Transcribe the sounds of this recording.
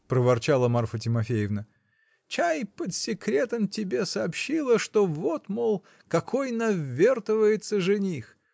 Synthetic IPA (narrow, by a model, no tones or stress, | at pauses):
pɾəvɐrt͡ɕalˠəmarfət̬ʲɪmɐfʲejɪvnə | t͡ɕajpət̪sʲɪkɾʲe̞t̪əmtʲɪbʲe̞sɐːpɕːilˠəʂt̪ovo̞t̪molˠ | kɐkʰojnɐvʲːert̪əvəjɪt̪səʐɨnʲix